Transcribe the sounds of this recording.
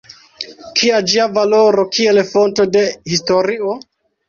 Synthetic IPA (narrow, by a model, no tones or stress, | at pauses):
kʰiad͡ʒiavaloɾo̞kʰielfo̞nto̞de̞histo̞ɾio